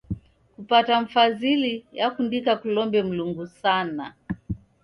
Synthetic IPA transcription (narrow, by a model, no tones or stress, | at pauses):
kupataɱ̩fazilijakundikakulɔmbɛm̩luŋɡusana